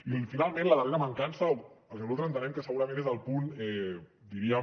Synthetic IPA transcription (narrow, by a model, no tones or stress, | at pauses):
ifinalˠmẽnlaðərenamaŋkansaoəlˠzəlult̪ɾənt̪ənẽŋkəsəɣuɾamẽnezðəlˠpunɛd̪iɾia